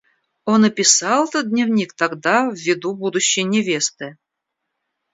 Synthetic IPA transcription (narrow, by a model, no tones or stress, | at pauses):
onəpʲɪsɑlˠɛt̪od̪ʲnʲɪvnʲikt̪aɡd̪avːʲɪd̪ubud̪ʊɕːɪjnʲɪvʲe̞st̪ɨ